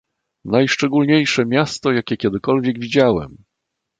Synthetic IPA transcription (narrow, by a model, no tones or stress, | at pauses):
najʂt͡ʂɛɡulɲejʂɛmʲjast̪ɔjakʲɛkʲɛd̪ɘkɔlvʲjɛɡvʲid͡ʑawɛ̰m